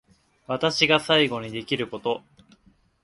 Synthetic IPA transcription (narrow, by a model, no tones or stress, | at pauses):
βat̪aɕiɡasaiɡo̞ɲ̟id̪e̞kʲiɾɯ̟ko̞t̪o̞